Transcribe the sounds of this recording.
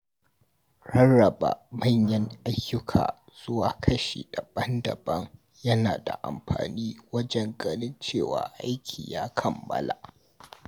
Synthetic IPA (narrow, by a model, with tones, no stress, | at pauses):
ɽɐ˦rːɐ˨ba̰˨mɐ˦˨ɲjɐ˦ŋʔa˦jːʊ˦kʰa̰ː˨ | z̥ʊ˦waː˨kʰɐ˦ʃḭ˨d̥a˨bɐ˦ndɐ˨bɐ˦ŋ | jɐ˦naː˨da̰˨ʔa̰˨mɸa̰ː˨niː˦wɐ˦d͡ʒɛ˦ŋɡʼɐ˦nɪ˦nt͡ʃeː˦˨wa̰ː˨ʔa˦jkʲʰḭː˨jaː˦kʰɐ˨mːɐ̰˦la˨